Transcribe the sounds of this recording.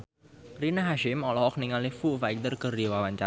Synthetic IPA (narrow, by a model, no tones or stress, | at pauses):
pɾinaɦaʃɪmɔlɔhɔk̚niŋalɪfuʔfajk̚t̪ərkərdiwawaɲt͡ʃa